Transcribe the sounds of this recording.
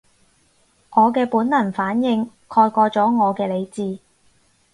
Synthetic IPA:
ŋɔː˨˧kɛː˧puː˨˥nlɐ˨˩nfaː˨˥njɪ˧ŋ | kʰɔː˧jkʷɔː˧t͡sɔː˨˥ŋɔː˨˧kɛː˧le˨˧jt͡siː˧

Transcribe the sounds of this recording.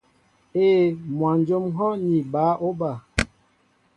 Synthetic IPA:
eː˦˨mwa˨n˦d͡ʒo˦mɦɔ˦ni˨baː˨˦ʔo˦ba˨

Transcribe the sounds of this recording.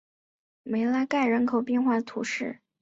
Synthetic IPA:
me˧˥ɪla˧˥ɪka˥˩ɪɻə˧˥nkʰo˨˩ʊpi˥˧nxwa˥˩d̪ə˩t̪ʰṵ˧˥ʂɻ̩˥˩

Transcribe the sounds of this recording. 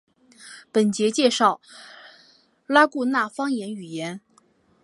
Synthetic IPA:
pə˨˩nt͡ɕjɛ˧˥t͡ɕjɛ˥˧ʂɑ˥˩ʊ | la˥ku˥˧na˥˩fɑ˥ŋjɛ˧˥ny˨˩jɛ˧˥n

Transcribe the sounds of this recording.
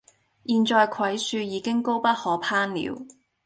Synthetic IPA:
jiː˨˧nt͡ʃɔː˧jkʰɐ˨˥jsyː˧jiː˨˧˥kɪ˥ŋko˥wpɐ˥t̚hɔː˨˥pʰaː˥nlḭː˨˧˥w

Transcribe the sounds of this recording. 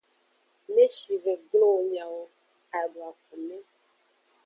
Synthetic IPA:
mẽ˦ʃi˨ve˨ɡlo˦wo˨ɲã˨wo˨ | a˨ɖo˨a˨ku˨mẽ˦

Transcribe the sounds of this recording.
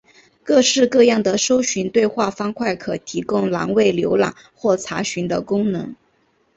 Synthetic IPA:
kɤ˥˧ʂɻ̩˥˧kɤ˥˧jɑ˥˩ŋd̪ə˩ʂo˥ʊɕy˧˥nt̪we˥˧ɪxwa˥˩fɑ˥ŋkʰwa˥˩ɪkʰɤ˨˩t̪ʰi˧˥kʊ˥ŋlɑ˧˥ŋwe˥˩ɪljo˧˥ʊlɑ̰˨˩ŋ | xwɔ˥˩t͡sʰa˧˥ɕy˧˥nd̪ə˧kʊ˥ŋnɤ̰˧˥ŋ

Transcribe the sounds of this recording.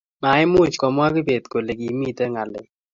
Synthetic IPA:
ma˨˦ɪ˦mʊ˦˨t͡ʃkɔ˨mwa˦kɪ˦pe˨tko˨le˨ki˨mi˦te˦ŋa˨lɪ˨˦

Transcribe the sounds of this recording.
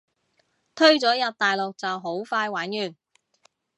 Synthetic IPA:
t̪ʰɵ˥ɥt͡sɔː˨˥jɐ˨p̚t̪aː˨jlʊ˨k̚t͡sɐ˨wɦo˨˥wfaː˧jwaː˨˥njyː˨n

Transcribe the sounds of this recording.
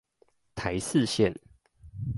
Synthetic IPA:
t̪ʰa˨˦ɪs̩˥˨ɕjɛ˥˨n

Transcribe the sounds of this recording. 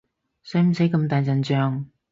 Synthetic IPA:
sɐ˨˥m̩˨˩sɐ˨˥jkɐ˧mt̪aː˨˩jt͡sɐ˨nt͡ʃœː˨˧ŋ

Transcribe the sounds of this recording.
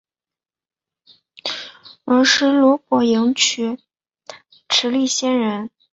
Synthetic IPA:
ə˞˧˥ʂɻ̩˥˩lwɔ˧˥kwɔ˧˩jɤ˧˥ŋt͡ɕʰy˧˥ | ʈ͡ʂʰɻ̩˧˥li˥˩ɕjɛ˥nɻə˧˥n

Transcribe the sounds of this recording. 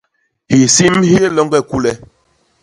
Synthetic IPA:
hi˨si˦mhi˦e˦lɔ˦ŋɡɛ˦ku˦lɛ˦

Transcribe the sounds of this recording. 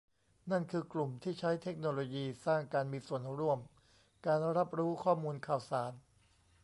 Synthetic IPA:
na˥˩nkʰɯː˧klu˨˩mt̪ʰiː˥˩t͡ɕʰa˦˥jt̪ʰe˦˥k̚noː˧loː˧jiː˧saː˥˩ŋkaː˧nmiː˧su˨˩ənɾu˥˩əm | kaː˧nɾa˦˥p̚ɾuː˦˥kʰɔː˥˩muː˧nkʰaː˨˩wsaː˩˦n

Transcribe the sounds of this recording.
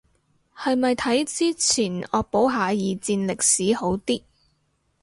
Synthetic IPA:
hɐ˨jmɐ˨jt̪ʰɐ˨˥jt͡siː˥t͡sʰiː˨˩nɔː˨˧k̚po˨˥wɦaː˨˧jiː˨˧t͡siː˧nlɪ˨k̚siː˨˥ho˨˥wt̪iː˥

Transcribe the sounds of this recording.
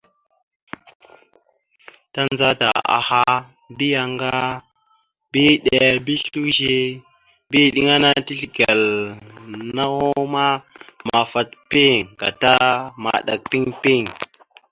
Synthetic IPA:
ta˦nza˦ta̰˨a̰˨ha˦ | bi˦ja˨ŋɡa˦ | bi˦ɗe˨bi˦ɬu˦ʒi˦ | bi˦˨ɗi˦ŋa˦na˦ti˦ɬi˨ɡe˨l | na˦ho˦ma˦ma˨fa˨tpi˦ŋka̰˨ta˦ma̰˨ɗa̰˨k̚pi˦ŋpi˦ŋ

